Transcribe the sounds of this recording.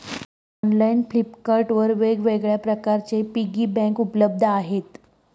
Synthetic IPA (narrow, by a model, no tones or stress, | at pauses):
ɔnlainflipkaɾʈʋəɾʋeɡʋeɡɭjapɾəkaɾt͡sepiɡiːbɛ̃ŋkupləb̚d̪ʱəaɦet̪